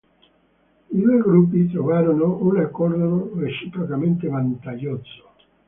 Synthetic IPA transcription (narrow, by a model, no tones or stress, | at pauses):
id̪ueɡɾup̬ːit̪̬ɾovaːɾonounakːɔɾd̪ɾoret͡ʃipɾokament̪evant̪aʎːɔt̪so̥